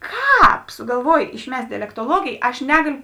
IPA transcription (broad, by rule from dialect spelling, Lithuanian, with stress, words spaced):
ˈkɑːp sʊɡɐlˠˈʋuɔj ɪʃʲˈmʲɛsʲtʲ dʲɛlʲɛktoːˈlˠuɔɡʲeːj ɐʃ ˈnʲæːɡɐlʲʊ